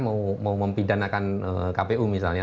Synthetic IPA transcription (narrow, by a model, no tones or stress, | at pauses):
maumauməmpidanakanə̰kapeumis̬a̰lɲa